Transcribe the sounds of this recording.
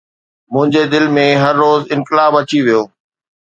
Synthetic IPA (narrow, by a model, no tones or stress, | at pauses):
mʊ̃ɦɪ̃ɲd͡ʑed̪ɪlmẽɦɐɾːoːzɪ̃nkɪlaːbɐt͡ɕiʋijoː